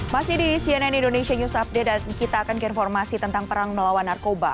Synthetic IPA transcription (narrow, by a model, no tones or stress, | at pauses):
masɪhdisiɛnɛnindonesiaɲusap̚dɛdankit̪aːkankəinfɔrmasit̪ənt̪aŋpəɾaŋməlawanːarkoba̰